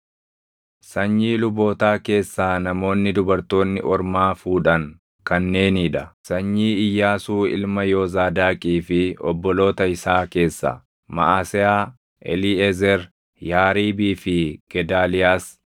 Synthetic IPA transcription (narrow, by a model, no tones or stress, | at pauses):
sɐɲːiːlʊbo̞ːt̪aːke̞ːsːaːnɐmo̞ːnːɪd̪ʊbɐɾt̪o̞ːnːɪʔɔɾmaːfuːᶑɐŋ | kɐnːe̞ːniːᶑɐsɐɲːiːɪjːaːsuːɪ̰lmɐjoːzaːd̪aːkʼiːfɪɔbːɔlo̞ːt̪ɐɪsaːke̞ːsːɐ̰ | mɐ̰ʔaːsɛaː | ʔɛ̰liɛzɛɾ | jaːɾiːbiːfɪɡ̥ɛd̪aːlɪjaːs